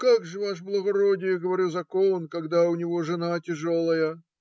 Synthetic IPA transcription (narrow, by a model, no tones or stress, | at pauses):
kaɡʐɨvaʂblˠɐɣɐɾɔdʲɪjɡəvɐɾʲuzɐkonkɐɡd̪aʊnʲɪvoʐɨnatʲɪʐɔlˠɐjə